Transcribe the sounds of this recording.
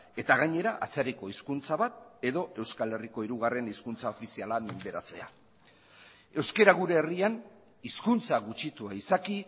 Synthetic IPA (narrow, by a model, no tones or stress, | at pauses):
e̞t̪aɣaɲe̞ɾaʔa̰t͡seɾiko̞iskunt͡saβat̪̚e̞ðo̞ʔe̞wskale̞riko̞iɾuɣare̞niskunt͡sao̞fisialamend̪e̞ɾat͡se̞a̰ | e̞wske̞ɾaɣuɾe̞ːrian | iskunt͡saɣut͡ʃit̪uaisaki